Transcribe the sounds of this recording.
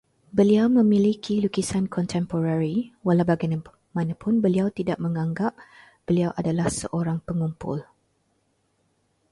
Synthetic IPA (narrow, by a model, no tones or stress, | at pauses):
bəliawmə̃milikʰilukisankʰɔnt̪ʰɛmpoɾaɾiwalawbaɡaj | mãnãpʊnbəliawt̪idaʔ̚mə̃ŋãŋɡap̚ | b̥əliawʔadalahsə̰ʔoɾaŋpəŋumpʊ̰l